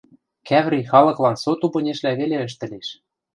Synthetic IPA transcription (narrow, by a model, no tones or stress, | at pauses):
kæβɾijxɑlɤ̆klɑnsot̪upɤ̆nʲeʃlæβeleə̆ʃt̪ɘ̆leʃ